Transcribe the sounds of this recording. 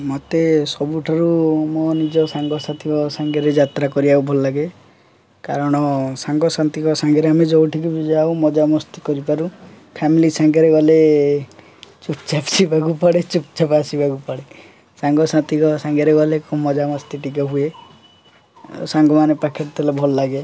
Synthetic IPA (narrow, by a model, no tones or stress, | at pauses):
mɔt̪esɔbuʈʰaɾumɔnid͡ʒɔsaŋɡɔsat̪ʰikɔsaŋɡaɾed͡ʒat̪ɾakɔɾiawbʱɔlɔlaɡe | kaɾɔɽ̃ɔsaŋɡɔsant̪ikɔsaŋɡɔɾeamed͡ʒɔwʈʰikibid͡ʒaumɔd͡ʒamɔst̪i̥kɔɾipaɾu | pʰamilisaŋɡɔɾeɡɔle | t͡ʃupt͡ʃapsibʱakupaɽet͡ʃup̚t͡ʃapasibakupaɽe | saŋɡɔsãnt̪ikɔsaŋɡeɾeɡɔlekɔmɔd͡ʒamɔst̪iʈik̬ɔɦue | saŋɡɔmanepakʰeʈt̪ʰelabʱɔlɔlaɡe